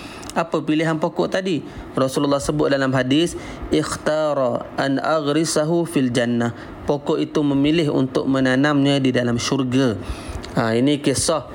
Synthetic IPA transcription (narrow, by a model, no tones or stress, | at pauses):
ʔapəpiliɦanpokɔʔt̪adi | rɔsululːɑhsəbʊt̪̚dalamɦadɪs | ʔɪxt̪ɑɾɑʔanʔaɣɾɪsaɦufild͡ʒanːah | pokɔʔit̪uməmilɪɦṵnt̪ʊk̚mənanamɲãdidalamʃurɡa | ainikisɔh